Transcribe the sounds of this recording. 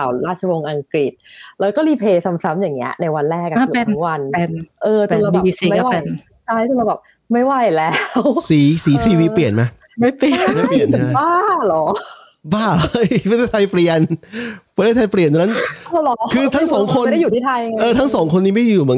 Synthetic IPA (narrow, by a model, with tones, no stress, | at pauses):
a˨˩wɾaː˥˩t̪̚t͡ɕʰa˧wo˧ŋʔa˧ŋkɾi˨˩t̪̚lɛː˧wkɔː˥˩liː˧˩pʰeː˧sa˧msa˦˥mjaː˨˩ŋːi˦˥ɐna˧jwa˧nɾɛː˥˩k̚ːa˧a˥˩˧e˧n˦wa˧ne˧nʔɤː˧t̪la˧˨˧iː˧siː˨˦˧a˥a˥˩wa˥e˩˧n | t͡ɕʰa˥˩jʰo˧˩la˧˩bɛː˨˩p̚ | ma˥˩jwa˥˩jlɛː˦˥wsiː˩˦siː˩˦t̪ʰiː˧wiː˧˥li˨˩ənma˦˥ | ma˥˩pi˨˩ə˦ma˥˩pli˨˩ən˩˥baː˥˩lɔː˨˦ | baː˥˩la˥˩jʰa˧˥t̪ʰe˥˩t̪ʰa˧jpli˨˩ənpʰːt̪ʰa˧jp̬li˨˩ənt̪ʰːna˦˥nɔː˧˩lɔː˨˦kʰɯː˧t̪ʰa˦˥ŋsɔː˩˦ŋkʰo˧nda˥˩juː˨t̪ʰiː˥˩t̪ʰa˧jʔɤː˧t̪ʰa˦˥ŋsɔː˩˦ŋkʰo˧nːiː˦˥ma˥˩ju˨˩mɯ˩˦